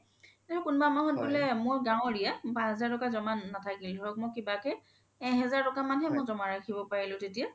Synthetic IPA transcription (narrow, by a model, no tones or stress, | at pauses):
aɹʊkʊnbamaɦɔnbulɛmʊjɡãw̃ɹijabãɦɛzaɹtɔkazɔmanːatʰakildʱɔɹɔk̚mojkibakɛ | ɛ̃ɦɛzaɹtɔkamanɦɛmʊzɔmaɹakʰibɔpaɹilʊ̃tetia